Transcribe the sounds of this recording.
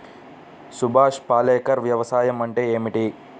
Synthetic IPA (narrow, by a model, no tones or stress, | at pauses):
subʱaːʂpaːlɛːkɐɾʋjɐʋɐsaːjɐmɐɳʈeːeːmiʈi